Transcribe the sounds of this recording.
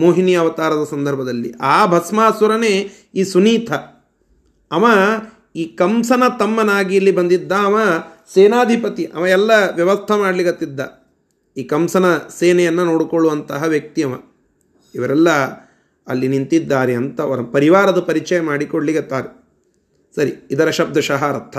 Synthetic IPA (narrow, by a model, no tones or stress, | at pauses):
moːɦinjɐːʋɐt̪aːɾɐd̪ɐsɐnd̪ʱɐɾbʱɐd̪ɐlːḭʔaːbʱɐsmaːsɐɾɐneː | iːsuniːt̪ʰɐ | mɐ | iːkɐmsɐnɐt̪ɐmːɐnaːɡiɐlːibɐnd̪id̪ːɐɐmɐseːnaːd̪ʱipɐt̪iʔɐ̰mɐɛlːɐʋjɐʋɐst̪ʰɐmaːɖliɡɐt̪ːid̪ːɐ | iːkɐmsɐnɐseːnɛjɐnːɐnoːɽukoɭːuʋɐnt̪ɐɦɐʋjɐk̚t̪ijɐmɐ | iʋɐɾɛlːɐ | ɐlːinint̪id̪ːaːɾeɐnt̪ɐʋɐɾɐpɐɾiʋaːɾɐd̪upɐɾit͡ʃɐjɐmaːɽikoɭliɡɐt̪ːaːɾe | sɐɾiid̪ɐɾɐʃɐb̚d̪ʱɐʃɐɦɐɾɐt̪ʰːɐ